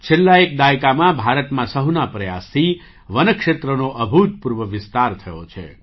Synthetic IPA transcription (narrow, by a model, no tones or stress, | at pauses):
t͡ʃʰelːaek̚d̪ajkamãbʱaɾət̪mãsəɦunapɾəja̰st̪ʰi | ʋənəkʃet̪ɾənoʔəbʱut̪̚puɾʋəʋɪst̪aɾt̪ʰəjo̰t͡ʃʰḛ